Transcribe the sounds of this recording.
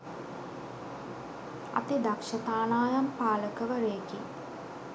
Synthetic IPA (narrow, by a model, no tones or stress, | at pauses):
ɐ̰t̪id̪akʂət̪aːnaːjampaːləkəʋəɾejki